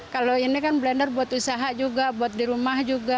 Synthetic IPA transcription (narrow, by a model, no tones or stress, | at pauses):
kaloinikanblɛndərbuat̪usaɦad͡ʒuɡabuat̪̚diɾumahd͡ʒuɡa